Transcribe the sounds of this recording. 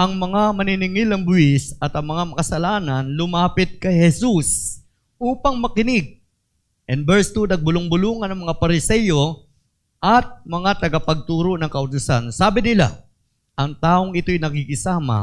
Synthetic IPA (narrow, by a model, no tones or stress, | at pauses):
ʔɐŋmɐŋamɐnɪnɪŋɪlɐŋbʊɪsɐt̪ɐŋmɐŋamɐkɐsɐlaːnɐnlʊmaːpɪt̪̚kɐjhɛsus | ʔuːpɐŋmɐkɪnɪɡ̚ | ʔɛnbɛɹst̪unɐɡ̚bʊlʊŋbʊluːŋɐnɐŋmɐŋapɐɾɪsɛjo̞ | ʔɐt̪̚mɐŋat̪ɐɡɐpɐɡ̚t̪uːɾo̞ʔnɐŋkɐʔʊt̪ʊsansaːbɪnɪla̰ | ʔɐŋt̪aːʔoŋɪt̪o̞jnɐkikɪsaːma̰